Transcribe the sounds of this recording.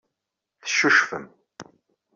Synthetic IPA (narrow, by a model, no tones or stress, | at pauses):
θəʃuʃfəm